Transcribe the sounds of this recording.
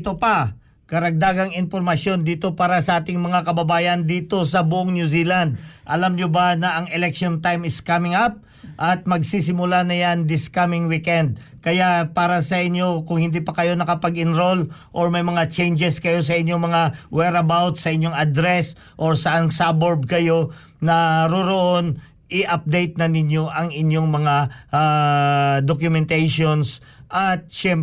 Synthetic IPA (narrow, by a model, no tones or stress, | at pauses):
t̪opɐ | kɐɾɐɡ̚d̪aːɡɐŋɪnpoɾmɐsjo̞nd̪iːt̪o̞paːɾɐsɐʔaːt̪ɪŋmɐŋakɐbɐbaːjɐnd̪iːt̪o̞sɐbʊʔoŋnjusiːland̪̚ʔɐlamɲobanɐʔɐŋɛlɛkʃont̪ajmɪskamɪŋap̚ | ʔɐt̪̚mɐɡsis̬ɪmʊlanɐjaŋd̪ɪskamɪŋwikɛnd̪̚ | kɐjapaːɾɐsɐʔɪɲjo̞kʊŋhɪnd̪ipɐkɐjo̞nɐkɐpɐɡɪnɾo̞lʔo̞ɹmɐjmɐŋat͡ʃɛjnd͡ʒɛskɐjo̞s̬ɐʔɪɲjoŋmɐŋawɛɾɐbawt̪sɐʔɪɲjo̞ŋɐd̪ɾɛs | ʔoɹsɐʔansaboɹb̚kɐjo̞ | nɐɾoɾoʔo̞n | ʔɪʔɐp̚d̪ejt̪̚nɐnɪɲjo̞ʔɐŋɪɲjo̞ŋmɐŋaʔa | d̪okjʊmɛnt̪ɛjʃons | ʔɐt̪̚ʃɛm